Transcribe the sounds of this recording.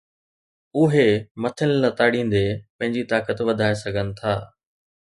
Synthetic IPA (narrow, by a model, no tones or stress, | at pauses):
ʊɦemɐt̪ʰənɪlat̪aːɽĩːn̆d̪epɐ̃ɦɪ̃ɲd͡ʑit̪aːkət̪ʋɐd̪ʱaːesɐɡʱənɪ̆t̪ʰaː